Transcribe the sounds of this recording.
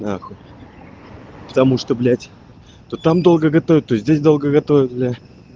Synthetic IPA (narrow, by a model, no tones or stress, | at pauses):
naxo | pə̥t̪ɐmuʂt̪oblʲætʲ | t̪ot̪amd̪o̞lˠɡəɡɐt̪ovʲɪt̪t̪ːojsʲzʲdʲesʲd̪o̞lˠɡəɡɐt̪ovʲɪt̪lʲa